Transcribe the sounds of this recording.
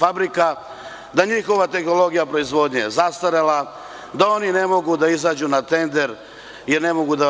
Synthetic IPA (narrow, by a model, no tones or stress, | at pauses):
fabɾika | d̪aɲixo̞ʋat̪e̞xno̞lo̞ɡijapɾo̞izʋo̞ːd̪ɲezast̪aɾela | d̪ao̞nine̞mo̞ɡud̪aizaːd͡ʒunat̪e̞nd̪e̞ɾ | jeɾne̞mo̞ɡud̪a